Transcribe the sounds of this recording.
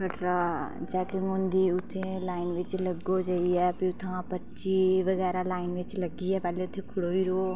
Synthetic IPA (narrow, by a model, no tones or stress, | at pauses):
kʰəʈɾat͡ʃaːkimoːnd̪iʊt̪ʰːẽlaːɪnʋɪt͡ʃləɡːod͡ʒɐijɛpiʊt̪ʰãpətːt͡ʃiʋəɡɛːɾalaːɪnʋɪt͡ʃləɡijɛpɛːleʊt̪ʰẽkʰʊɽoːiɾo